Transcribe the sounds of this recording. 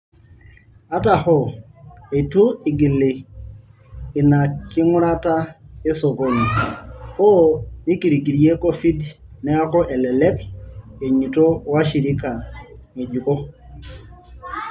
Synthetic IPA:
a˦ta˨hɔ˦e˨tu˦ɪ˨ɡi˨le˨ | ɪ˨na˨kɪ˦ŋʊ˦ɾa˦ta˦e˦sɔ˨ko˨ɲi˨ | o˦ni˦ki˨ɾi˨ki˨ɾi˦e˦ko˦fi˦d | nɛ˦a˦kɔ˦ʔɛ˨lɛ˨lɛ˦ke˨ɲi˨to˦wa˦ʃi˨ɾi˦ka˨ŋe˨d͡ʒu˨kɔ˦

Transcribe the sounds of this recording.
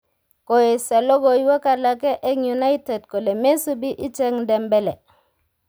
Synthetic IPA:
ko˨je˨sa˨lo˦ɡo˨ji˦wa˦ka˨la˨ke˦ʔe˦ŋju˨na˦ite˨d̚ko˨le˨me˦su˦bi˦ʔi˦t͡ʃe˦ŋde˨mbe˦le˨

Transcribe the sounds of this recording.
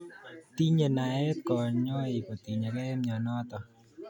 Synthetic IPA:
t̪i˦ɲe˨na˨e˦t̪̚kɔ˨ɾɲɔ˦i˨ko˨t̪i˨ɲe˨kɛ˦mɲɔ˨nɔ˦t̪ɔ˨

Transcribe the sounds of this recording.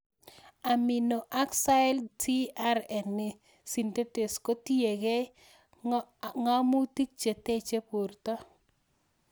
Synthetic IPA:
a˨mɪ˨no˨ʔa˦ksa˦ɛ˦ltʰi˦a˦ɾɛ˨nːɪ˨ | si˨nte˦te˨sko˦tie˨ɡe˦ | ŋa˦mu˦ti˦k̚t͡ʃe˨te˦t͡ʃe˦po˨rtɔ˦

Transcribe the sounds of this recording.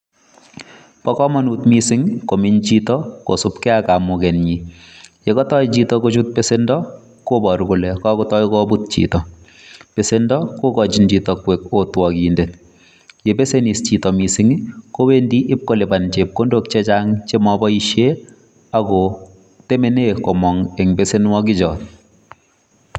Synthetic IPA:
pɔ˦kɔ˦mɔ˨nu˨tmisɪ˦ŋko˨miɲt͡ʃitɔko̰˨sʊpkɛ˦aka˨mʊkɛ˨nɲi˨je˨kɔ˦tɔ˦jt͡ʃitɔkot͡ʃut̚pesendɔ | kobɔ˨ɾkulɛ˨kɔ˦kɔtɔ˦jkɔbut̚t͡ʃḭtɔ | pe˨sendɔko˦kɔ˨t͡ʃind͡ʒi˨tɔkwekotwɔ˨kinde˨t̚ | je˨pe˦se˦nist͡ʃi˨tɔmi˨si˦ŋi˦ko˦we˦ndi˦ʔɪ˦p̚ko˦le˨bant͡ʃe˨p̚ko˦ndok̚t͡ʃɛt͡ʃaŋt͡ʃe˦mɔbɔiʃe˦ | akɔ | te˦me˨ne˦kɔ˨mɔ˨ŋɛ˨ŋbese˦nwɔ˦k̬i˦t͡ʃɔ˨t̚

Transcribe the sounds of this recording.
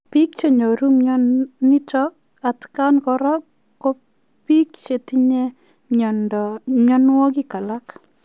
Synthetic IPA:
pi˦k̚t͡ʃe˦ɲo˨ɾu˦mɲɔni˦t͡ʃɔ˦ | a˨t̪ka˦nkɔɾɔ˦ | kːo˦ | pi˦kt͡ʃe˨ti˦ɲe˦ | ɲɔ˨nɔɲɔ˦nwɔ˦ɡi˦ka˨la˦k

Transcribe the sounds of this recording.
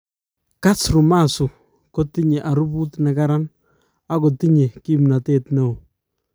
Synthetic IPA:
ka˦sɾu˨ma˦˨su˨ | ko˦ti˦ɲe˨ʔa˨ɾu˦bu˦tnɛ˨ka˦ɾa˦n | a˦ko˨ti˦ɲe˨ki˦mna˨teː˦tne˨o˨

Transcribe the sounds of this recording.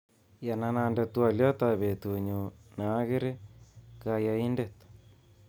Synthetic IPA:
ja˨na˨na˨nde˨twa˨ljɔ˦t̪a˨βe˨t̪u˨ɲu˨naː˨˦ɣe˦ɾe˦ka˦ja˨i˦nde˨t̪

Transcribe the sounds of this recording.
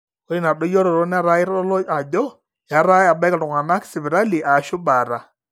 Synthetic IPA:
ɔ˦ɾi˦na˨ɗɔ˦jɔ˦ɾɔ˨ɾɔ˦n˦a˦˨ɾa˦ɪ˦ɾɔ˦lɔ˦a˨d͡ʒɔ˦ | ja˨˦ɾa˦ja˨ba˦ka˨tʊ˨ŋa˨na˦ksɪ˨bɛ˨ɾa˦li˨ʔa˨ʃʊ˦ba˨ɾa˨

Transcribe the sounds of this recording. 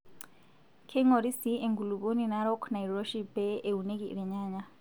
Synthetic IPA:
kʰɛ˦ŋɔɾi˦siɛ˨ŋɡu˨lupo˦ninaɾɔ˦kʰna˨iɾɔ˦ʃipɛːunɛ˦kiɾɛ˨ɲaːɲa˦

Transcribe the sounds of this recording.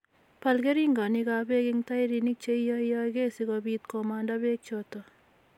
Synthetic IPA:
pa˨lke˦ɾi˦ŋɡa˨nikabe˦kɪŋta˦jɾi˨ni˦k̚t͡ʃe˦ijɔ˦ijɔke˦sikɔbiːt̪̚kɔmanda˦be˦k̚t͡ʃotɔ

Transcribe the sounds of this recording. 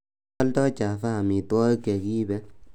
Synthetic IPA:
ɔ˦ltɔ˦t͡ʃa˨faː˦˨mi˨twɔ˦ke˨ki˦bɛ˦

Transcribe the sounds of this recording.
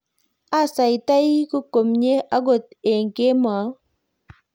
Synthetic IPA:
a˦sa˨jta˦jku˦ko˨mɲe˦a˦ɡo˦˨t̪̚e˨ŋke˦ma˨˦

